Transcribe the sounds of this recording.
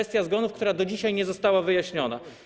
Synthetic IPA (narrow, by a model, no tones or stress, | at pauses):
ɛst̪ʲjazɡɔnufkt̪uɾad̪ɔd͡ʑiɕajɲɛzɔst̪awavɘjaɕɲɔna̰